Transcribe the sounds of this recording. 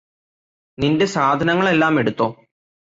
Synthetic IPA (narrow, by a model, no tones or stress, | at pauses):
ninde̞saːd̪ʱɐnɐŋːɐɭe̞lːaːme̞ɽut̪ːoː